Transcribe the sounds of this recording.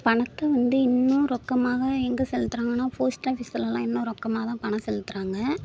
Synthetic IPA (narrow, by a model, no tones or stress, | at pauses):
pɐɳɐt̪ːɐʋɐnd̪ɯɪnːʊ̃ɾɔkːɐmaːɣɐɛŋɡɐsɛlːɯt̪ːɯɾaːŋɡɐnːaːfɐːsʈaːfisɪlɛlãːɪnːʊ̃ɾɔkːɐmaːɐt̪ãːpɐnɐsɛlːɯt̪ːɯɾaːŋɡɐ